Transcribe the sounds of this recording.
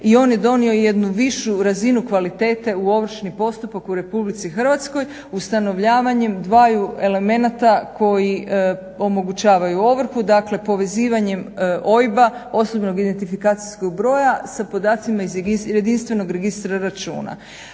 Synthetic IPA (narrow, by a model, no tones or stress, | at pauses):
io̞ːnjed̪o̞nio̞jed̪nuʋiʃuɾazinukʋalit̪e̞ːt̪e̞uo̞ʋr̩ʃnipo̞st̪upakuɾe̞publit̪sixr̩ʋat̪sko̞j | ust̪ano̞ʋʎaːʋaɲe̞md̪ʋaːjue̞le̞me̞nat̪akʰo̞ji | o̞mo̞ɡut͡ɕaːʋajuo̞ʋr̩xud̪akle̞po̞ʋe̞ziːʋaɲe̞mʔo̞jbao̞sobno̞ɡid̪e̞nt̪ifikaːt̪siskoɡ̚bɾo̞ːjasapo̞d̪aːt̪simaizjed̪inst̪ʋe̞no̞ɡɾe̞ɡist̪ɾaɾat͡ʃṵːna̰